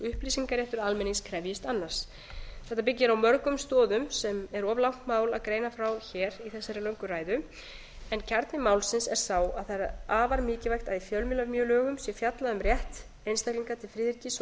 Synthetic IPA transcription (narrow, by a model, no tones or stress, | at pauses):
ʏhpliːsiŋkaɾjɛht̪ʏɾalmɛniŋskʰɾɛvjɪst̪anːaɾ̥s | θɛht̪ap̬ɪcːɪɾawmœɾkʏmst̪ɔːðʏmsɛmɛɾɔvlawŋ̥t̪maːwlaðkɾeːjnafɾawçɛːɾiθɛsːaɾɪlœŋkʏɾaːjðʏ | ɛncʰaɾt̪nɪmaːwlsɪnsɛɾ̥saːwaðθaɾaaːvaɾmɪːcɪvajxt̪aðifjœlmɪlaɾmjœːlœːɣʏmsjɛfjat̪laðʏmrjɛht̪ | ejnst̪ahkliŋkat̪ʰɪlfɾɪːðɪɾcis